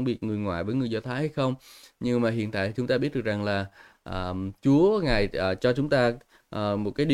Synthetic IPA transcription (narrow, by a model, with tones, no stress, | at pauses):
ŋ͡mɓi˨˩ət̚ŋɨ˨˩əjŋwa̰ː˧˨jvəː˨˦jŋɨ˨˩əjzɔ˧t̪ʰaː˨˦jha˧jxə˧wŋ͡mɲɨ˧ŋmaː˨˩ɦḭ˧˨ənt̪a̰ː˧˨t̪i˨˩t͡ɕʊ˨˦ŋ͡mt̪aː˧ɓi˦˥ət̚ɗɨ˨˩ək̚za˨˩ŋlaː˨˩ | ʔəː˨˩t͡ɕu˨˦əŋaː˨˩jʔəː˨˩t͡ɕɔ˧t͡ɕʊ˨˦ŋ͡mt̪aː˧ | ʔəː˨˩mo˨˩t̚kaː˨˦jɗi˧